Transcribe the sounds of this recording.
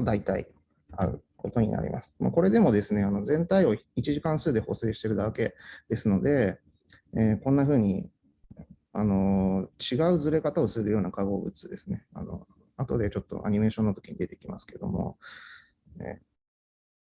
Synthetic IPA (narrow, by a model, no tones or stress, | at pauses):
od̪ait̪aḭ | aɯ̟̰ | ko̞t̪o̞ɲ̟ḭna̰ɾʲḭmʔa̰sɨ̥ma̰ko̞ɾe̞d̪e̞mo̞d̪e̞sɨne̞ano̞zẽ̞nt̪aio̞it͡ɕiʑikãɰ̃sɨːd̪e̞ho̞̰seːɕi̥t̪e̞ɾɯ̟d̪ake̞d̪̥e̞sɨno̞d̪e̞ː | kõ̞nːaɸɯ̟ːɲ̟i | ano̞t͡ɕiɡaɯ̟d͡zɨɾe̞kat̪ao̞sɨɾɯ̟jo̞ːnakaɡo̞ːbɯ̟t͡sɨd̪e̞sɨne̞a̰no̞̰ | at̪o̞d̪e̞t͡ɕo̞t̪ːo̞̰ʔa̰ɲ̟ime̞ːɕõ̞nːot̪o̞kiɲid̪e̞t̪ekʲimasɨ̥ke̞d̪omo̞̰ | ḛː